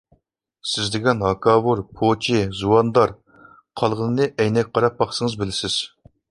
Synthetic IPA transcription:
sɪzd̪ɪɡʲɛnɦɑkʰɑwuɾpʰot͡ʃʰizuwɑnd̪ɑɾ | qʰɑlˠʁənɨnɨʔɛjnɛkʲqʰɑɾɑp̚bɑχsəŋəzbɪlɪsɪz̥

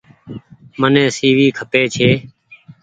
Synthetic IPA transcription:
mənẽːsiːʋiːkʰəpeːt͡ʃʰeː

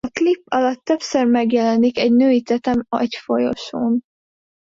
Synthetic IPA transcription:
ɒklipːɒlɒt̪ːø̞psørmɛɡjɛlɛnikɛɟnøːit̪ɛt̪ɛmɒ̰cfo̞jo̞̰ʃoːn

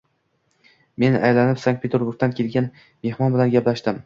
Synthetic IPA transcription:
me̞najlanɪpsaŋk̚pʰe̞t̪ʰeɾbʊɾɡ̚t̪ankʲʰe̞lɡʲan | me̞hmɒnbɪlanɡʲaplaʃd̪ɪm

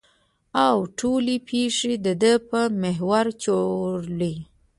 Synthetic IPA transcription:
awʈʰolepʰeʂed̪əd̪əpəmeɦwaɾt͡ʃoɾli

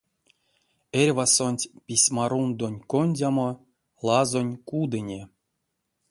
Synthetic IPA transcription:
erʲvasonʲtʲpʲisʲmaɾund̪onʲkonʲdʲamo | lˠazonʲkud̪ɨnʲe

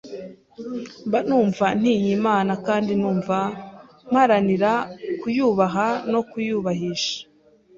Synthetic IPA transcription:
mbanuːɱvan̥iːjimaːnakaːndinuːɱva | m̥haɾaniɾakujuːβaɦano̞kujuːβaɦiʃḁ

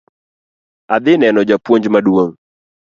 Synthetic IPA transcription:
ad̪ɪnɛnɔd͡ʒapwoɲd͡ʒmadwoŋ

